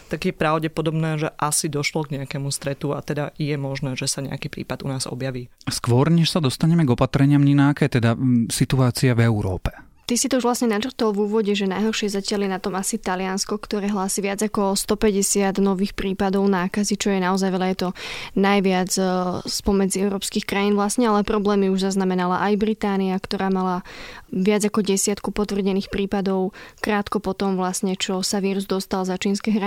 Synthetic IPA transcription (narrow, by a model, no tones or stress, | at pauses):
t̪aɡjɛpɾaʊɟɛpɔd̪ɔbnɛːʒɛʔasid̪ɔʃlɔɡɲɛakɛːmust̪ɾɛt̪ua̰t̪ɛd̪ajɛmɔʒnɛːʒɛsaɲɛ̰a̰kiːpɾḭːpad̪ṵnaːz̥ɔ̰bjaʋiːskʋɔɾɲɛʃsad̪ɔst̪aɲɛmɛɡɔpat̪ɾɛɲɪamɲinakɛːt̪ɛd̪asit̪uaːt͡siavɛuɾɔ̰ːpɛ̥ | t̪isit̪ɔuʒʋlasɲɛnat͡ʃr̩t̪ɔlvuːʋɔɟɛʒɛnajɦɔrʃɪɛzacɪaljɛnat̪ɔmasit̪alɪanskɔkt̪ɔɾɛːɦlaːsiʋɪad͡zakɔst̪ɔpɛɟɛsɪad̪nɔʋiːxpɾiːpad̪ɔʊnaːkazit͡ʃɔjɛnaɔzajʋɛʎajɛt̪ɔnajʋɪad͡zspɔmɛd͡ziɛʊɾɔːpskiːxkɾajiːnʋlasɲɛalɛpɾɔblɛːmiuʒzaznamɛnalaʔajbɾit̪aːniakt̪ɔɾaːmalaʋɪad͡zakɔɟɛsɪat̪kupɔt̪ʋr̩ɟɛniːxpɾiːpad̪ɔʊkɾaːt̪kɔpɔt̪ɔmʋlasɲɛt͡ʃɔsaʋiːɾuzd̪ɔst̪alzat͡ʃiːnskɛɦɾa